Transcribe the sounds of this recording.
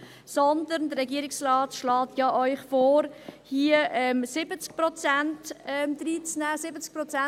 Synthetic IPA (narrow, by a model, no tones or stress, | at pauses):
sɔnd̪əɾndəɾɛɡiːəɾɪksrɑːtʃlɑːtʰjɑʔœʏχfoːɾhiəʔɛmsɪbət͡sk̚prɔt͡sæntɛmd̥̪ɾiːt͡snæːsɪbət͡sk̚pɾɔt͡sɛ